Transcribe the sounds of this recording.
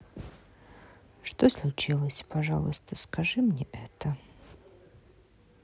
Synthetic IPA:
ʂt̪oslˠʊt͡ʃilˠəsʲpɐʐa̰lˠəst̪ʰəskʰɐʐɨmnʲɛʔɛt̪ʰə

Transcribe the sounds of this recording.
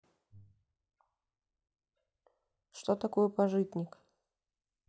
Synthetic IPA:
ʂt̪ot̪ɐko̞jəpɐʐɨt̪ʲnʲɪk

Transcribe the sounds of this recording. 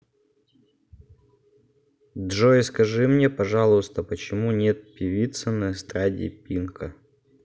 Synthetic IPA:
d̪ʐoɪskɐʐɨmnʲepɐʐɑlˠʊst̪əpət͡ɕɪmunʲet̪̚pʲɪvʲit̪sɨnəɨst̪ɾadʲɪ̰pʲinkə

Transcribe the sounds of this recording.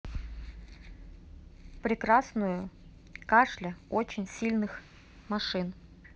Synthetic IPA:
pɾʲɪkɾasnʊjʊ | kaʂlʲɪot͡ɕɪnʲsʲilʲnɨx | mɐʂɨn

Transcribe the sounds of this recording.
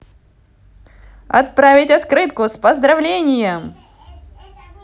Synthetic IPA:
ɐ̰t̪̚pɾavʲɪtʲɐt̪kɾɨt̪kʊspəzd̪ɾɐvlʲenʲɪjə

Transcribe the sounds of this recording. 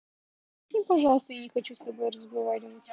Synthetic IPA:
impɐʐɑlˠəst̪əjanʲɪxɐt͡ɕust̪ɐbo̞jrəzɡɐvaɾʲɪvətʲ

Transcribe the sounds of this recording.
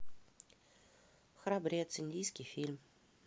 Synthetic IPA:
xɾabɾʲet̪sɨnʲd̪ʲijskʲijfʲilʲm

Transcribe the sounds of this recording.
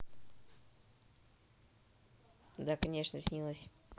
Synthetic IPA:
d̪akɐnʲe̞ʂnəsʲnʲilˠəsʲ

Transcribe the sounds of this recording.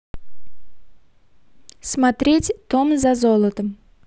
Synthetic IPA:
smat̪ɾʲetʲt̪omzazolˠət̪əm

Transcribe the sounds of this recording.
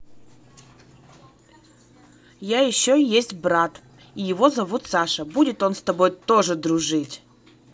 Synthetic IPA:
jajɪɕːojesʲtʲbɾat̪ | ijɪvo̞zɐvut̪saʂəbudʲɪt̪o̞nst̪ɐbo̞jt̪o̞ʐɨd̪ɾʊʐɨtʲ

